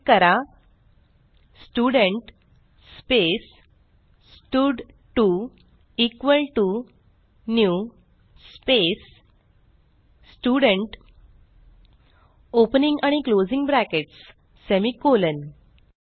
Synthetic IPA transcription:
kəɾa | sʈuɽəɳʈ | spes | sʈuɖ | ʈu | ikʋəlʈu | nju | spes | sʈuɽəɳʈ | opniŋɡaɽ̃iklod͡zĩŋɡbɾækeʈsː | emikolən

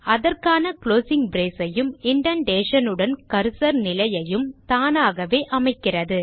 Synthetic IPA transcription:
ɐðɐrkaːnɐkloːsɪŋbɾeːsɐjɯmɪɳɖɐnɖeːʂɐnɯɽɐnkɐɾsɐɾnɪlɐjɐjɯmt̪aːnaːɣɐʋeːʔɐmɐɪkːɪrɐðɯ

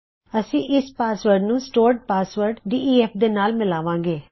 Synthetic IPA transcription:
əsĩːʔɪspaːsʋəɾɖnũːsʈoːɾɖ̚paːsʋəɾɖɖ̪iːiːɛːpʰd̪eːnaːlmɪlaːʋãːŋɡeː

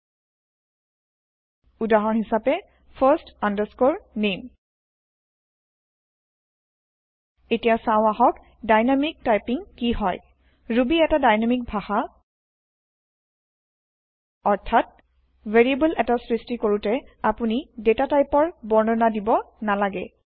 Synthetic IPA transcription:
udaɦɔnɦisapɛ | pʰaɹstandəskoɹnem | etijasãʊ̃aɦɔk | dajnamik̚tajpiŋkiɦɔj | ɹubiɛtadajnamik̚bʱaxa | ɔɹtʰat̚ | veɹiebulʔɛtasɹistikoɹutɛapunidetatajpɔɹbɔɹnɔnadibɔ | nalaɡɛ̰

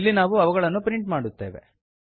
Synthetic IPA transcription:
lːinaːʋuɐʋɐɣɐɭɐnːupɾiɳʈmaːɽut̪ːeːʋḛ

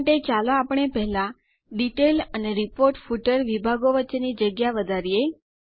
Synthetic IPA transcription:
ʈet͡ʃaloapəɳ̃epɛɦla | ɖiʈeləneɾipoɾʈfuʈəɾʋibʱaɡoʋətːʃenid͡ʒəɡjaʋəd̪ʱaɾije

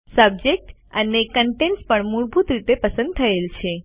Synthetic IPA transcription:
səb̚d͡ʒek̚ʈənekəɳʈenspəɳmuɭbʱut̪ɾit̪epəsə̃nd̪̚t̪ʰəelt͡ʃʰe

